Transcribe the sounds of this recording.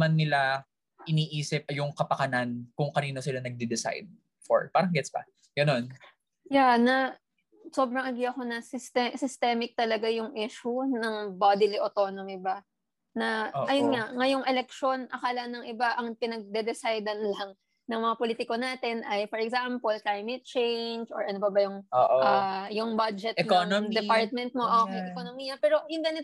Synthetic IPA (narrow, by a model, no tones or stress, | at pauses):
manːɪla | ʔɪniːʔiːsɪp̚ʔɐjʊŋkɐpɐkɐnankʊŋkɐniːno̞sɪlanɐɡ̚d̪ɛd̪ɛsa̰jd̪̚ | fo̰ɹpaːɾɐŋɡɛt̪sbɐ̰ | ɡ̥ɐno̞n | janɐ | so̞ːbɾɐŋʔɐɡiɐko̞nɐsɪst̪ɛsɪst̪ɛmɪk̚t̪ɐlɐɡajʊŋʔiʃʊnɐŋbad̪ɪliʔot̪o̞nomɪba | nɐʔɐjonŋaŋɐjo̞ŋʔɛlɛk̚ʃo̞nʔɐkaːlɐnɐŋʔɪbaʔɐŋpɪnɐɡ̚d̪ɛd̪ɛsajd̪ɐnlɐŋ | nɐŋmɐŋapoliːt̪ɪko̞naːt̪ɛnʔɐjfɔɹɛɡzampolklajmɛt̪̚t͡ʃejnd͡ʒo̰ɹʔɐnobɐbɐjʊŋoʔajʊŋbad͡ʒɛt̪nnd̪ɛpaɹt̪̚mɛnt̪̚moʔokejʔɛkonomiːjɐpɛːɾo̞jʊŋɡɐnɪt̪